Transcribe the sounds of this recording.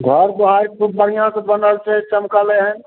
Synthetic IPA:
ɡʱəɾb̪oɦajɾkubəɽ̤ijãkebənəlt͡ʃʰɛt͡ʃəmkaleɦən

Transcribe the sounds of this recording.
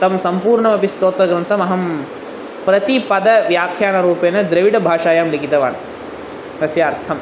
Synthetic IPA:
t̪ɐmsɐmpuːɾɳɐmɐpist̪oːt̪ɾɐɡɾɐnt̪ʰɐmɐɦɐm | pɾɐt̪ipɐd̪ɐʋjaːkʰjaːnɐɾuːpeːnɐd̪ɾɐʋiɽɐbʱaːʂaːjaːmlikit̪ɐʋa̰ːn | ɦɐsjaːɾt̪ʰɐm

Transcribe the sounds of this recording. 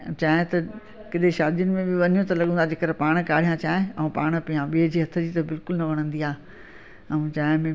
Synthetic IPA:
t͡ɕaːɦɪ̃t̪ɐ | kɪɗ̪eʃaːd̪ijʊnɪ̆mẽbɪʋɐɲijõt̪ɐlɐɠə̃nad͡ʑeːkəɾpaːɽ̃kaːɽ̤ijãt͡ɕaːɦɪ̃ɐũpaːɽ̃əpijãɓiːəd͡ʑiːɦɐt̪ʰəd͡ʑiːt̪ɐbɪlkʊlnɐʋɐɽ̃ə̃nd̪iaː | ɐũt͡ɕaːɦɪ̃mẽ

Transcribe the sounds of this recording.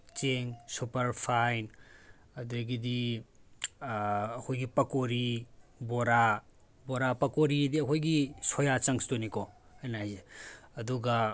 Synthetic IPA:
t͡ʃeŋsupɐɾpʰajn | ɐdeɡidi | ɐkʰojɡipɐkoɾiboɾa | boɾapɐkoɾidiɐkʰojɡisojat͡ʃɐŋsi̥tonikɔ | hajnajeɐduɡɐ

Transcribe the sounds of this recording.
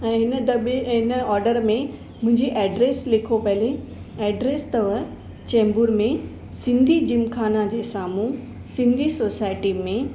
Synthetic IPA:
ɛ̃ːɦɪnəd̪ɐbɦɪnəɔːɾɖəɾmẽ | mʊ̃ɦɪ̃ɲd͡ʑiʔɛːɖɾeːslɪkʰopɐle | ɛːɖɾeːst̪ɐʋə | t͡ɕɛ̃ːmbuɾmẽ | sɪ̃nd̪ʱid͡ʑɪmkʰaːnad͡ʑeːsaːmu | sɪ̃nd̪ʱisoːsaːɪʈimẽ

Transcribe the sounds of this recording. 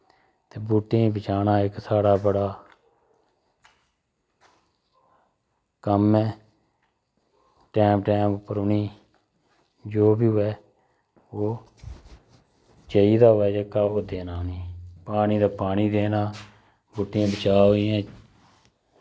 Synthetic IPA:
t̪eːbʊʈːẽːbət͡ʃaːnaːɪksaːɽaːbəɽaː | kəmɛ̃ː | ʈɛːmʈɛːmʊpːəɾʊniː | d͡ʒoːbiːɦʊɛː | oː | t͡ʃəiːd̪aːɦʊʋɛːd͡ʒaːkaːoːd̪eːnaːniːpaːniːd̪aːpaːɽiːd̪eːnaː | bʊʈːɪãːbət͡ʃaːɦoiːɛ̃ː

